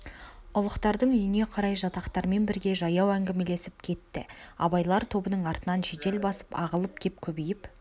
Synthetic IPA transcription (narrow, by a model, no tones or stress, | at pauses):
ʊlˠəqt̪ɑɾd̪əɴʏjɪne̞qʰɑɾɑjʒɑt̪ɑqt̪ɑɾme̞nbɪɾɡʲe̞ʒɑjɑwæŋɡʲɪme̞le̞sɪp̚kʲʰe̞t̪ːɪɑ̰bɑjlˠɑɾt̪ʰo̞bənəɴɑɾt̪ənɑnʒe̞t̪e̞lbɑsə̥pɑ̰ʁəlˠəp̚kʲʰe̞p̚kʲʰɵbejɪp